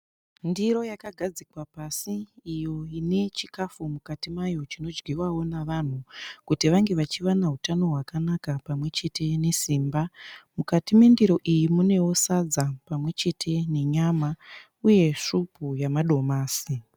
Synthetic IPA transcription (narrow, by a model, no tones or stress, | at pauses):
ndiɾo̞jakaɡʱad͡zikwapasiːjo̞ine̞t͡ʃikafumukatimajo̞t͡ʃino̞d͡ʒɡiwawo̞naʋan̤ukutiʋaŋɡe̞ʋat͡ʃiʋanaɦutano̞ɦwakanakapamwe̞t͡ʃe̞tʰe̞ne̞siːmbamukatimendiɾo̞ʔijimune̞wo̞sad͡zapamwe̞t͡ʃe̞tʰe̞ne̞ɲama | uje̞ʂupujamaɗo̞maːsi